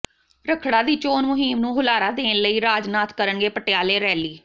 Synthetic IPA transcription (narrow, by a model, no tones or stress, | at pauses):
ɾəkʰɽaːd̪iːt͡ʃoːnmʊɦiːmnũːɦʊlaːɾaːd̪eːnləiːɾaːd͡ʒnaːt̪ʰkəɾəɳɡeːpəʈejaːleːɾɛːliː